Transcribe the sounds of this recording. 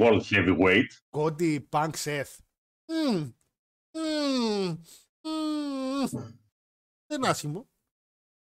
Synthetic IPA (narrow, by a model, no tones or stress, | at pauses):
old̪çɛviɣwejt̪kot̪ipɐŋkseθ̩ | ðenɐsçimo